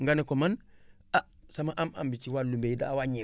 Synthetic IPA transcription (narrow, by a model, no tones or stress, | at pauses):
ŋɡanekoman | asɐmaʔama̰mbit͡ʃiwalumbejidawaɲi